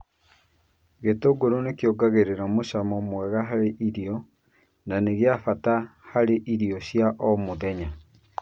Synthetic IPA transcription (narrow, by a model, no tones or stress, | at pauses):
ɣetoɡoɾonekjoɡaɣeɾeɾamoʃamɔmwɛɣaɦaɾeʔiɾiɔ | naneɣeafatahaɾeʔiɾiɔɕjaʔɔmoðɛɲa